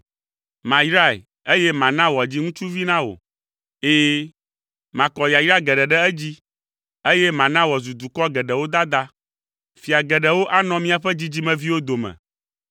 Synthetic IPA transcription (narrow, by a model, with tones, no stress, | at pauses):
mã˨jɾa˦˨ḛ˨ | e˦jɛ˦mã˨nã˦wɔ˨d͡ʑi˦ŋũ˦t͡ʃu˦vi˦nã˦wo̰˨ | eː˦ | mã˨kɔ˨ja˨jɾa˦ɡɛ˨ɖɛ˨ɖɛ˦ɛ˦d͡ʑi˦ | e˦jɛ˦mã˨nã˦wɔ˨zu˨d̪u˨kɔ˦ɡɛ˨ɖɛ˨wo˦d̪a˦d̪a˦ | fi˨a˨ɡɛ˨ɖɛ˨wo˦ʔa˦nɔ̃˦mĩ˦a˨ɸɛ˦d͡ʑi˦d͡ʑi˦mɛ̃˨vi˦wo˦d̪o˨mɛ̰̃˨